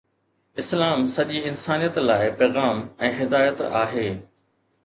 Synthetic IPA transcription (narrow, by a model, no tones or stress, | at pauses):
ɪslaːmsɐʄiɪnsaːnijət̪laːɪpeːɣaːmɛ̃ːɦɪd̪aːjət̪a̰ːɦeː